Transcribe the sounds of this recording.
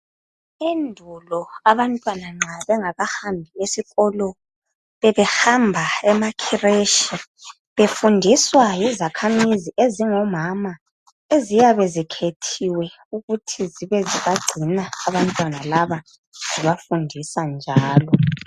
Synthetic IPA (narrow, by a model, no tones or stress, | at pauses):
endʱulɔaβantʼwanaŋ͡ǁʱaβɛŋaɣahambʱiesiɣɔlɔ | βɛβɛhambʱaɛmakʰireʃi | βefundʱiswajizakʰamiziʔeziŋɔmama | ezijaβɛzikʰetʰiwɛ | uɣutʰiziβɛziβaɡ͡ǀʱinaːβantʼwanalaβa | ziβafundʱisand͡ʒʱaːlɔ